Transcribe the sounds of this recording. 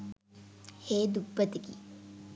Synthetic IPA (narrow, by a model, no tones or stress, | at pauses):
heːd̪ubːət̪ikḭ